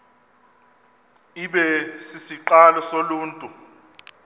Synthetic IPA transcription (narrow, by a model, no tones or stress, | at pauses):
iɓɛsisiǃalɔsoluːntʼu